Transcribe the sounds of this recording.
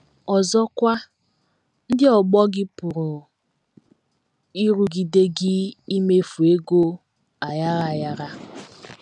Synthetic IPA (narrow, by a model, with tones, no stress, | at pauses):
ɔ˨zɔ˦kʷa˦ | n̩˦dɪ˦ɔ˨ɡ͡bɔ˦ɡɪ˦pʊ˨ɾʊ˨ | i˦ɾu˦ɡi˨de˦ɡɪ˦i˦me˦fu˨e˦ɡo˦ | a˨ja˦ɾa˨a˨ja˦ɾa˦